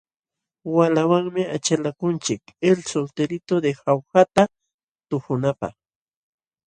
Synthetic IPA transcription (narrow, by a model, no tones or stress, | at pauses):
walawaŋmɪat͡ʃalakʊnt͡ʃɪkelsolt̪eɾɪt̪od̪exawxat̪a | t̪ʊxʊnapɑ̰χ